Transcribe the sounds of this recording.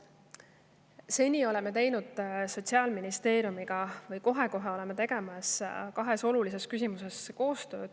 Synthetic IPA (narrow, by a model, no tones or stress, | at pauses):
se̞nʲio̞le̞me̞t̪e̞jnud̪̥so̞t̪ʲsiɑːlminist̪e̞ːɾijumiɡ̥ɑvɤjko̞ɦe̞ko̞ɦe̞o̞le̞me̞t̪e̞ɡ̥e̞mɑskɑɦe̞so̞lulise̞skys̬ʲimuse̞sko̞ːst̪ø̞ːd̪̥